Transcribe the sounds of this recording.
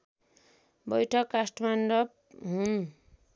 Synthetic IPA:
bʌjʈʰʌkːasʈmanɖʌp | ɦun

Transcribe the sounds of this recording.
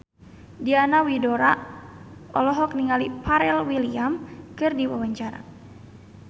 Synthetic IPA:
dianawidɔɾa | ɔlɔɦɔk̚niŋalipaɾɛlwiliamkɨrdiwa̰waɲt͡ʃaɾa̰

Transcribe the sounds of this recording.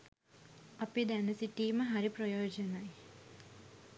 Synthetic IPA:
ɐpid̪ænɐsiʈiːməɦaɾiprojoːd͡ʒɐnɐj

